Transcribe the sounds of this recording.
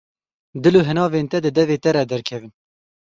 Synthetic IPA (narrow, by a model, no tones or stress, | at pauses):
d̪ɨloːɦɨnɑːveːnt̪ɛd̪ɨd̪ɛveːt̪ɛɾɛd̪ɛɾkʰɛvɨn